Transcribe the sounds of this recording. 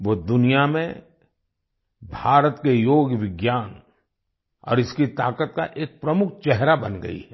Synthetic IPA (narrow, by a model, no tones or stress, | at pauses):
ʋoːd̪ʊnijamẽ | bʱaːɾət̪kejoːɡʋɪɡjaːn | ɔ̰ːɾɪskit̪aːkət̪̚ka̰ʔeːk̚pɾɐmʊk̚ʰt͡ʃɛɦɾabɐnɡɐ̰ḭɦɛ